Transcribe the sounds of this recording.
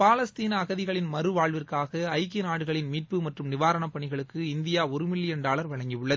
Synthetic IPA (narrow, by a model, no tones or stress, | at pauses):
paːlɐst̪iːnɐːɣɐðɪɣɐɭɪnmɐrɯʋaːɭʋɪrkaːɣɐɐɪkːɪnaːɽɯɣɐɭɪnmiːʈ̚pɯmɐʈrɯmnɪʋaːɾɐɳɐpːɐɳɪɣɐɭɯkːɯɪnd̪ɪjaːɔɾɯmɪlːɪjɐnɖaːɭɐɾʋɐɭɐŋɡiʋɯɭːɐð